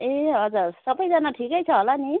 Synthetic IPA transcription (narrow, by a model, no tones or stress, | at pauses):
eʌd͡zaɾsʌbʌjd͡zanaʈʰikʌjt͡sʰʌɦəlani